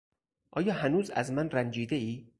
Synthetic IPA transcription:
ʔɒːjɒːhænuːzæ̰zmænrænd͡ʒiːd̪eiː

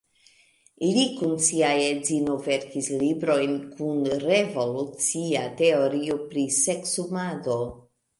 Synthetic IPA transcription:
ilikunsiajezino̞ve̞ɾkislibɾo̞jnkunɾe̞vo̞lut͡siate̞o̞ɾiopɾise̞ksumado̞

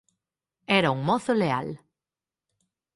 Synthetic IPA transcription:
ɛɾɐuŋmɔθolea̰l

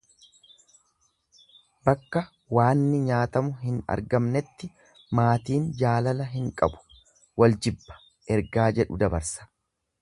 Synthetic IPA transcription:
bɐkːɐ | waːnːɪɲaːt̪ɐmʊɦɪnɐ̰ɾɡɐmnɛt̪ːɪ | maːt̪iːnd͡ʒaːlɐlɐɦɪŋkʼɐ̰bʊ̥ | wɐld͡ʒɪbːɐ̥ | ʔɛɾɡaːd͡ʒɛᶑʊ̰d̪ɐbɐ̰ɾsɐ̥

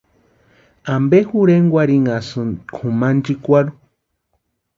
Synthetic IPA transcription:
ambehuɾeŋɡwaɾiŋasɨnkʰumãnd͡ʒikʷaɾu

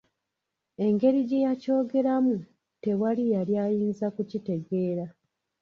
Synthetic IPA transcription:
e̞ŋɡe̞ɾiɟe̞jaco̞ːɡe̞ɾamu | te̞walijaljajiːnzakucite̞ɡe̞ːɾa

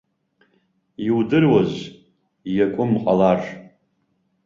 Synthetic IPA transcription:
iwdɨrwaz | jakʷʼʊmqʼalar

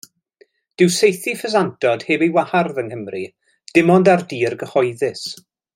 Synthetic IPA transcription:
d̥ɪwsejθifəs̬antʰɔd̥heːbejwaharðənhəmri | d̥ɪmɔndardiːrɡəχɔjðɪs

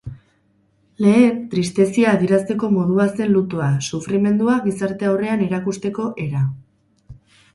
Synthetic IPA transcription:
le̞ːt̪ɾist̪e̞siaːðieɾase̞ko̞mo̞ð̞uase̞nlut̪uasufɾime̞nd̪uaɣisaɾt̪e̞ore̞aneɾakust̪e̞ko̞ʔe̞ɾa

